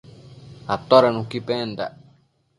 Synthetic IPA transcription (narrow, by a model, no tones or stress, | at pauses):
at̪ːɔɾanũkipɛnd̪a̰